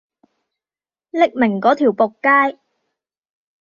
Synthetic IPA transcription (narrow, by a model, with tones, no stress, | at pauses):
lɪ˥k̚mɪ˨˩ŋkɔː˨˥t̪ʰiː˨˩wpo˨kːaː˥j